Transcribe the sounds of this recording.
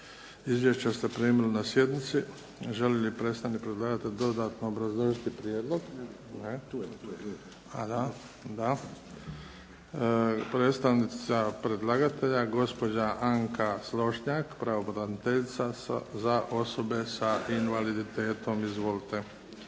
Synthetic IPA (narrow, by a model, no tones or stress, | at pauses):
izʋje̞ʃt͡ɕest̪epɾiːmeɾunasje̞d̪nit̪si | ʒeljelipɾe̞ːst̪anikpɾed̪lˠaɡat̪eʎd̪o̞d̪aːt̪noobɾazlˠoʒit̪ipɾijeːd̪lˠo̞ɡ | ne | ad̪a | d̪a | pɾet̪st̪aʋnisapɾed̪lˠaɡat̪e̞ʎaɡo̞spo̞d͡ʑaʔaŋkaslˠo̞ʃɲakpɾaobɾanit̪eʎit̪sazaʔo̞so̞be̞sainʋalid̪it̪e̞ːt̪o̞mizʋo̞lit̪e̞